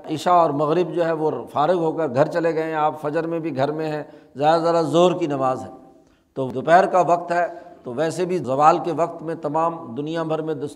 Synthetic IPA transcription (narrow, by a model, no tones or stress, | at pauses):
ɪʃaɔːɾmɐɣɾɪbd͡ʒoːɦɛʋofaːɾɪɡɦoːkəɾɡʱɐɾt͡ʃɐleɡɐẽɦɛ̃aːpfɐd͡ʒəɾmẽbʱiɡʱɐɾmẽɦɛ̃zjaːd̪azjaːd̪azoːɾkinɐʋaːzɦɛː | t̪od̪ʊpɛːɾkaʋɐqt̪ɦɛt̪oʋɛːsebʱizɐʋaːlkeʋɐk̚t̪mẽt̪ɐmaːmd̪ʊnijabʱɐɾmẽd̪ʊ